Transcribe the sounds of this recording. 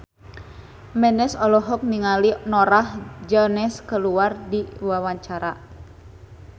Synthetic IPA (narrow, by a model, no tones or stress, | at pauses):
mɛnɛsɔlɔɦɔk̚niŋalinɔɾahd͡ʒɔnɛskəluardiwawaɲt͡ʃaɾa